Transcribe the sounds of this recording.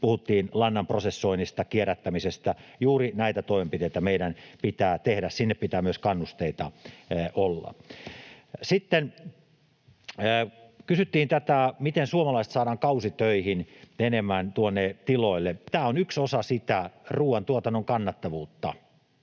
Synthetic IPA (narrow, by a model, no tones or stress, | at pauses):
puhut̪ːiːnlɑnːɑmprosesːoinist̪ɑkieræt̪ːæmisest̪æjuːrinæit̪æt̪oˑimempit̪eit̪æmeiɾænpit̪æːt̪ehɾæssinːeppit̪æːmyøskɑnːust̪eit̪ɑʔolːɑ̰ | sit̪ːen | kysyt̪ːiːnt̪æt̪æmit̪ensuomɑlɑˑist̪sɑːdɑːŋkɑusit̪øihinenemːænt̪uonːet̪iloilːet̪æːonyksosɑsit̪æruːwɑnt̪uot̪ɑnːoŋkɑnːɑt̪ːɑʋuːt̪ːɑ̰